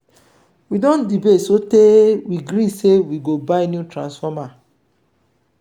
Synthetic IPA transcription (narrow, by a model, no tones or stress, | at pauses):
widɔ̃ndibetsotewiɡɾĩsewiɡobaɪnjutɾãnsfɔma